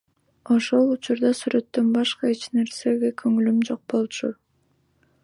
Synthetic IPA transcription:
o̞ʃo̞lˠut͡ʃuɾd̪ɑsyɾe̞t̪ːønbɑʃqɑet͡ʃne̞ɾse̞ɡekʰøŋylymd͡ʒo̞q̚bo̞lˠt͡ʃʰu

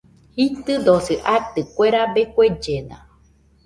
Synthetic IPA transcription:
hit̪ɨd̪oseʔat̪ɨkʷeɾabekʷed͡ʒenã̰

